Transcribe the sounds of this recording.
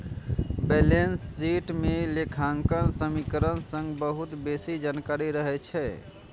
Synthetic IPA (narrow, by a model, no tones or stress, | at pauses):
belensːiʈmelekʰaŋkənsəmikəɾənsə̃ŋɡbəɦut̪besid͡ʒankaɾiɾəɦɛt͡ʃʰɛ